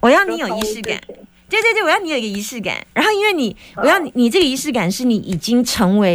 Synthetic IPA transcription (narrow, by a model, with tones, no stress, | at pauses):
wɔ˨˩jɑ˥˩ʊni˧˥jo˨˩i˧˥ʂɻ̩˥˩ka̰˨˩˦nt̪we˥˧t̪we˥˧˥wjɑ˥˩ni˧˦o˨˩˨i˥ɡə˧i˧˥ʂɻ̩˥˩ka̰˨˩˦nɻa̰˧nxo˥˩ʊi˥nwe˥˩ɪni˨˩wɔ˨˩jɑ˥˩ʊni˨˧ni˨˩ʈ͡ʂɤ˥˩ɡə˩i˧˥ʂɻ̩˥˩ka˨˩nʂɻ̩˥˩ni˧˥ʔi˨˩t͡ɕi˥ŋʈ͡ʂʰɤ˧˥ŋwe˧˥ɪ